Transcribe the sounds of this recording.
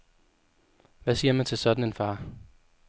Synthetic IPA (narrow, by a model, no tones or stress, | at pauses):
ʋæsiɐmænt͡sʰe̝lsɒ̽d̥n̩e̝nfɑ̈ː